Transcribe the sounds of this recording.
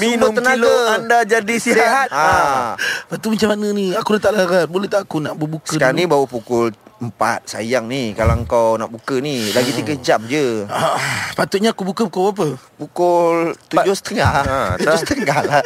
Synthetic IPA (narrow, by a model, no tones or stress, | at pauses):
minʊmənaləandad͡ʒadisisiɦat̪̚a | pat̪umat͡ʃamanəniakuɾat̪aʔlaɾat̪̚bolɛht̪aʔakunaʔbəbuksədkaanibawəpukʊləmpat̪̚sa̰jaŋnikalaəŋkawnaʔbukənilaɡit̪ukəd͡ʒam̚d͡ʒəapat̪ʊt̪̚ɲaːkubukəpukoap̬əpukʊlt̪ud͡ʒohsə̥t̪əŋat̪ud͡ʒost̪əŋahla